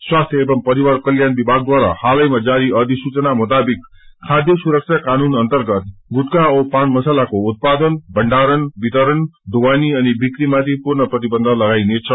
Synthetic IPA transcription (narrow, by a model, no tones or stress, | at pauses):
swast̪ʰjʌebʌmpʌɾiwarkʌljanbibʱaɡ̚d̪waɾa̰halʌjmad͡zaɾiʌd̪ʱisut͡sʌnamut̪abikkʰad̪ʱjʌsuɾʌk̚t͡ʃʰakanunʌnt̪ʌrɡʌt̪ɡut̪̚kaopanmʌsalakout̪̚pad̪ʌnbʱʌɳɖaɾʌnbit̪ʌɾʌnd̪owaniʌnibikɾimat̪ʰipurnʌprʌt̪ibʌnd̪ʱʌlʌɡajnet͡sʰʌ